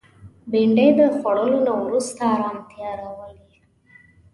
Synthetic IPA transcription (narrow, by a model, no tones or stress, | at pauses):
biɳɖejd̪əxwaɽəlonawɾust̪aːɾɑmt̪jɑɾawəli